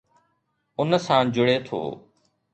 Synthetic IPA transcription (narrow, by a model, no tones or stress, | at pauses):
ʊnsãːd͡ʒʊɽeːt̪ʰo̰ː